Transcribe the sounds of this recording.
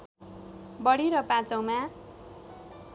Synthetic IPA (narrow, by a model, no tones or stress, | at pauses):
bʌɽiɾʌpat͡sʌw̃ma